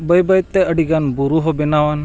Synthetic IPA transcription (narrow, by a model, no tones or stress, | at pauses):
bəjbəjt̪ːeəɽiɡanbuɾuɦobinaʋan